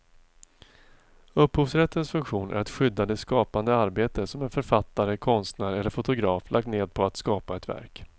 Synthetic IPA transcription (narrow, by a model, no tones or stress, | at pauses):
ɵphuːfsɾɛt̪ːənsfɵŋkɧuːnʔæ̰ɾɛt̪ɧʏd̪ːad̪ɛskɑːpand̪əaɾbeːt̪əsɔmɛnfœɾfat̪ːaɾəkʰɔnst̪næːɾɛlːəɾfʊt̪ʊɡɾɑːflʔak̚t̪neːd̪̚pʰɔat̪skɑːpaɛt̪væ̰ɾk